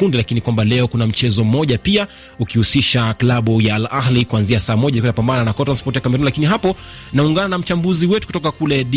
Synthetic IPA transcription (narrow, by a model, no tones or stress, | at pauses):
undilakinikwambalɛɔkunam̩t͡ʃɛzɔm̩mɔʄapia | ukihusiʃaklaɓujalahlikuanziasaːmɔʄaikɔnapambananakɔtɾanspɔɾtijakamɛɾunilakiniɦapɔ | nauŋɡananam̩t͡ʃambuziwɛtukutɔkakulɛɗi